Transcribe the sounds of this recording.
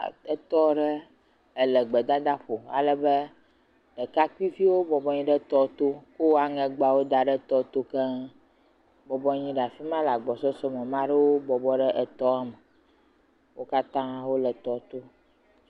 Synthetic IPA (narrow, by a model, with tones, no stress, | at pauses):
ə˦t̪ɔ˦ɖə˦ | ə˨lə˨ɡ͡bə˨d̪a˦d̪a˦ɸo˨a̰˨lə˨bə˦ | ɖə˨ka˦kʷi˦fi˦wo˦bɔ˨bɔ˦ɲĩ˦ɖə˦t̪ɔ˦t̪o˦ko˦a˦˨ŋɛ̃˨ɡ͡ba˨wo˦d̪a˨ɖə˦t̪ɔ˦t̪o˦kə˦ | bɔ˨bɔ˦ɲĩ˦ɖa˨fi˦mã˦la˨ɡ͡bɔ˨sɔ˦sɔ˦mə̃˨mã˦ɖə˦wo˦bɔ˨bɔ˦ɖə˦ʔə˦˨t̪ɔ˦a˨mə˨ | wo˦ka˦t̪ã˦wo˦lə˨t̪ɔ˦t̪o˦